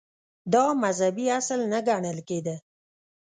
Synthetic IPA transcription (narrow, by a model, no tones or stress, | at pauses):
d̪ɑmazhabiaslnaɡaɳəlked̪ə